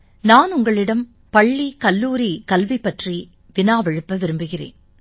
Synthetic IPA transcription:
naːnʊŋɡɐɭɪɽɐm | pɐɭːikɐlːuːɾikɐlʋipːɐʈri | ʋɪnaːʋɛɻɯpːɐʋɪɾɯmbɯɣɪrḛːn

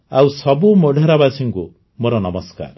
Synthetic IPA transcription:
awsɔbumɔɖʱeɾabasiŋku | moɾɔnɔmɔska̰ɾ

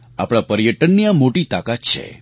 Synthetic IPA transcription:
a̰pɽ̃apəɾjəʈənːiamoʈit̪akat̪t͡ʃʰḛ

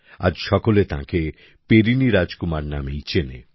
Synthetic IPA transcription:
a̰d͡ʒʃɔkolet̪ã̰ke | peɾiniɾad͡ʒkumaɾnamejt͡ʃʰenḛ

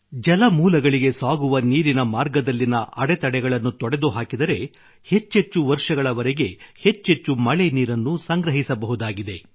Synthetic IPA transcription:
d͡ʒɐlɐmuːlɐɡɐɭiɡe̞saːɡuʋɐniːɾinɐmaːɾɡɐd̪ɐlːinɐɐɽet̪ɐɽɛɡɐɭɐnːut̪ɔɽed̪uɦaːkid̪ɐɾe̞ | he̞t͡ʃːɦe̞t͡ʃːuʋɐɾʂɐɡɐɭɐʋɐɾeɡe̞he̞t͡ʃːɦe̞t͡ʃːumɐɭeniːɾɐnːusɐŋɡɾɐɦisɐbɐɦud̪aːɡid̪e̞

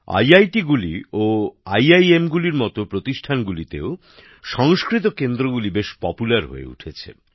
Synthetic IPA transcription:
a̰jajʈiɡulioajajemɡuliɾmɔt̪opɾot̪iʃʈʰanɡulit̪ḛo | ʃɔŋskɾit̪̬okend̪ɾoɡulibeʃpɔpulaɾɦo̰ḛṵʈʰet͡ɕʰḛ

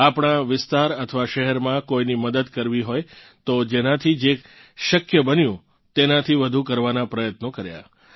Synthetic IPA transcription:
apɳ̃aʋɪst̪aɾət̪ʰəʋaʃəɦɛɾmãkojniməd̪əd̪kəɾʋiɦoj | t̪od͡ʒenãt̪ʰid͡ʒek | ʃəkjəbənjũ | t̪enat̪ʰiʋəd̪ʱukəɾʋanapɾəjət̪nokəɾja̰

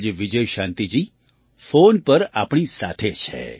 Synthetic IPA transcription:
d͡ʒʋɪd͡ʒəjʃãnt̪id͡ʒi | fonpəɾa̰ːpɳisat̪ʰet͡ʃʰḛ

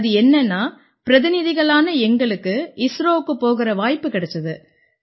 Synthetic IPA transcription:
ɐðɯɛnːɐnːaː | pɪɾɐðɪnɪðɪɣɐɭaːnɐɛŋɡɐɭɯkːɯɪsɾoːkːɯpoːɣɪɾɐʋaːjpːɯkɪɽɐt͡ʃːɐðɯ

